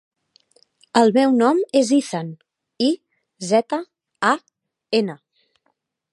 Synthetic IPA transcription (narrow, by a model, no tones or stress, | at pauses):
əlˠmɛwnɔmeziθan | i | zɛt̪ə | a | enə